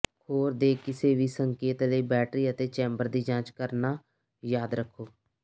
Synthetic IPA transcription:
hoːɾd̪eːkɪseːʋiːsəŋkeːt̪ləiːbɛːʈɾiːət̪eːt͡ʃɛ̃ːmbəɾd̪iːd͡ʒãːt͡ʃkəɾnaː | jaːd̪ɾəkʰːoː

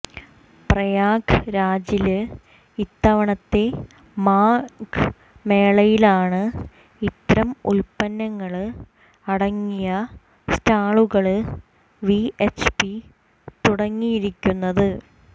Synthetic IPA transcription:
prɐjaːkɾaːd͡ʑilɨ | it̪ːɐʋɐɳɐt̪ːe̞ | maːk | me̞ːɭɐjilaːɳɨ | it̪ːɾɐmṵlpɐnːɐŋːɐɭɨ | ɐɽɐŋːijɐ | staːɭuɣɐɭɨ | ʋiet͡ɕpi | t̪uɽɐŋːijiɾikʲːunːɐðɨ

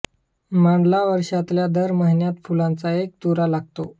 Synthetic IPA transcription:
maɳɖlaʋəɾʂat̪ljad̪əɾməɦinjat̪fulãnt͡saek̚t̪uɾalaɡ̚t̪o

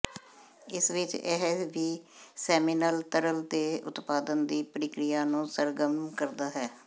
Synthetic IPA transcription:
ɪsʋɪt͡ʃɛ̰ɦʋiːsɛːmɪnəlt̪əɾəlt̪eːʊ̰t̪paːd̪ənd̪iːpəɾɪkɾɪjaːnũːsəɾɡəmnkəɾd̪aːɦɛː

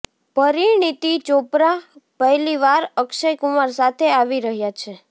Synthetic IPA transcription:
pəɾiɳit̪it͡ʃopɾapəɦliʋaɾəkʃəjkumaɾsat̪ʰeaʋiɾəɦjat͡ʃʰe

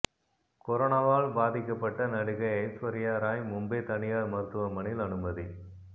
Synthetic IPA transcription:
kɔɾonaːʋaːɭbaːðɪkːɐpːɐʈːɐnɐɽɯɣɐɪɐɪsʋɐɾɪjaːɾaːjmʊmbeːt̪ɐɳɪjaːɾmɐɾt̪ːɯʋɐmɐɳɪlɐnɯmɐði

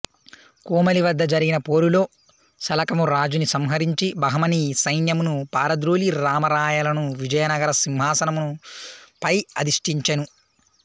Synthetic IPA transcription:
kuːmɐliʋɐd̪ːɐd͡ʒɐɾiɡinɐpo̞ːɾulo̞ː | sɐlɐkɐmuɾaːd͡ʒunisɐmɦɐɾiɲt͡ʃibɐɦɐmɐnisɐjnjɐmunupaːɾɐd̪ɾoːliɾaːmɐɾaːjɐlɐnuʋid͡ʒɐjɐnɐɡɐɾɐsimɦaːsɐnɐmunupɐjɐd̪iʂʈiɲt͡ʃɐnu

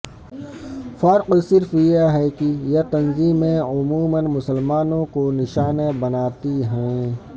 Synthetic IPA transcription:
fɐɾqsɪɾfjeɦɛkijet̪ɐnziːmẽʊmuːmənmʊsəlmaːnõkonɪʃaːnebɐnaːt̪iɦɛ̃ː

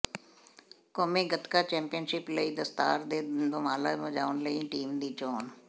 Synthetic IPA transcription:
koːmeːɡət̪kaːt͡ʃɛ̃ːmpɪjənʃɪpləiːd̪əst̪aːɾd̪eːd̪ʊmaːlaːməd͡ʒaːʊnləĩːʈiːmd̪iːt͡ʃɔːn

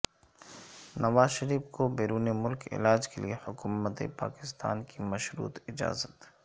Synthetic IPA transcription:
nɐʋaːzʃɐɾiːfkobeːɾuːnemʊlkɪ̰laːd͡ʒkeliehʊkumət̪ḛpa̰ːkɪ̥st̪a̰ːnkimɐʃɾṵːt̪ɪd͡ʒa̰ːzət̪

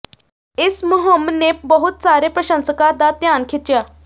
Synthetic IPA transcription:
ɪsməɦəmnebəɦut̪saːɾepɾəɕə̃nsəkad̪at̪jaːnkʰit̪t͡ʃjaː

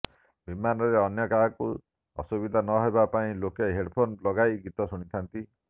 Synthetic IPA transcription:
bimanɔɾeɔnjɔkaɦku | ɔ̰subid̪ʱanɔɦebapaĩlokeɦeɽpʰonlɔɡajɡit̪ɔsuɽ̃it̪ʰant̪i

